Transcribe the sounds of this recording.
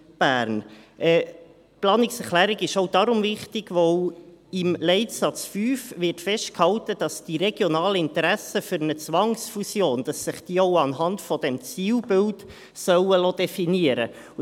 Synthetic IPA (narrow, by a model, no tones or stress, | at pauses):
b̥æːɾnʔɛː | plɑːnɪksɛχlæːɾɪɡɪʃɔʊd̥ɑɾʊmvɪχtɪɡ̥ʋɔwɪmlɛɪtsɑt͡sfyːfvɪrtfɛʃt̚khɑltəd̥ɑsd̥iɾɛɡ̥jɔnɑːləɪnt̪əɾæsəfyɾənət͡sʋɑŋsfusjoːnd̥ɑsːɪχd̥iːɔʊɑnɦɑntfɔd̥ɛmt͡siːlbɪlt | sœwəlod̪ɛfiniəɾə̰